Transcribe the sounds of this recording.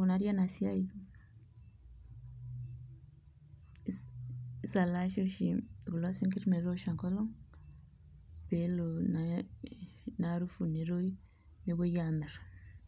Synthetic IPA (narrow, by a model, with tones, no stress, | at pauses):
unaɾja˦na˨sia˦j | sa˨la˦ʃo˦ʃiɡu˨la˦si˦ŋki˦ɾme˨ɾoʃa˨ŋko˦lo˦ŋ | pelona | naɾu˦fu˨ne˨ɾo˦ji | ne˨βo˦jame˨ɾ